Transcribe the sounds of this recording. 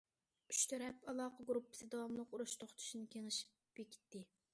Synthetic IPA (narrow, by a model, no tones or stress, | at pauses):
y̥ʃt̪ʰøɾɛpɑlˠɑːqəɡɾupʰːɨ̥sɨd̪ɑwɑmlˠəquɾuʃt̪ʰoχt̪ʰu̥ʃinɨkʲeŋɪʃi̥p | b̥ekʲʰi̥t̪ːɪ